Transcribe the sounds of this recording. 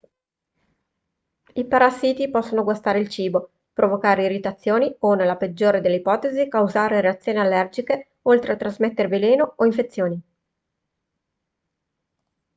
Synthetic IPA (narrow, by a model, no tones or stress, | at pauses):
ipaɾasːiːt̪ipɔsːonoɡwast̪aːɾeilt͡ʃiːbo | pɾovokaːɾeirit̪at̪sːjoːnionelːaped͡ʒːoːɾed̪elːeipɔːt̪ezikawzaːɾeɾeat̪sːjoːnialːɛrd͡ʒike | olt̪ɾeat̪ɾazmet̪ːeɾeveleːnooiɱfet̪sːjoːni